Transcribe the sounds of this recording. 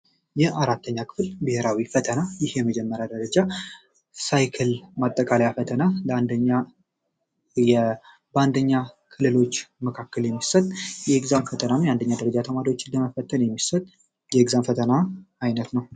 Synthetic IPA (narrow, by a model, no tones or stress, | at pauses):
jɛʔaɾat̪ʰːəɲːakʰɨ̥fɨlbɨheɾawifət̪ʰənajɪhjɛməd͡ʒɛmːəɾjad̪əɾəd͡ʒa | sajkʰəlmat̪ʼːəkʼalajafət̪ʰənalnd̪əɲːa | jɛ | bəand̪əɲːakʰɨlɨlo̞t͡ʃːməkʰakːəljɛmːisət̪ʼːjɛɡzamfət̪ʰənanjɛand̪əɲːad̪əɾəd͡ʒat̪ʰəmaɾiwot͡ʃːɪdəməfət̪ʰːənjɛmːisət̪ʼ | jɛɡzamfət̪ʰənaajnət̪nəw